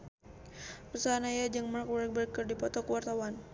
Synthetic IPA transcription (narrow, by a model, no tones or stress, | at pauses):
rəsaanajad͡ʒəŋmark̚wɛrk̚bɛrkərdipɔt̪ɔkəwart̪awan